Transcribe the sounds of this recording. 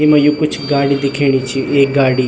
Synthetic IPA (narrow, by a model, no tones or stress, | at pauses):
emɐ̃jukʊt͡ʃʰɡaːɽid̪ɪkʰeːɽ̃it͡ʃʰieːɡaːɽiː